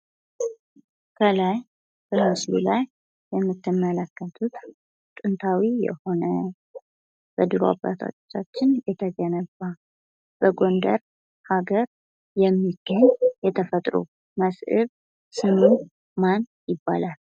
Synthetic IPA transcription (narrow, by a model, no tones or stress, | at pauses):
kʰəlaj | b̥əɾasṵlajː | ɛmːɨt̪ʰːɨmːələkːət̪ʰut̪ | t̪ʼɨnt̪ʰawijɛ̰ho̞nə | b̥əd̪ɨɾa̰ba̰t̪ʰo̰t͡ʃːat͡ʃːɪnjɛt̪ʰəɡənəba | b̥əɡo̞nd̪ə̰ɾ | haɡəɾ | jɛmːiɡ̥ːəɲjɛt̪ʰəfət̪ʼɾṵ | məsɨβ | sɨmu | manjɪbːa̰lal